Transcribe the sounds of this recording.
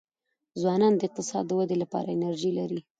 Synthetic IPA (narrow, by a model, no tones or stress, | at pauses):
zwɑnɑnd̪əɪq̚t̪ɪsɑ̰d̪ːəwad̪elapɑ̰ɾaɪnaɾʒilaɾi